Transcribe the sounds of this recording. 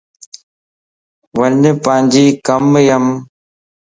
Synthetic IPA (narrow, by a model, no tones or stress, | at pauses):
ʋəɲpə̃ːɪ̃ɲd͡ʑiːkəmjəm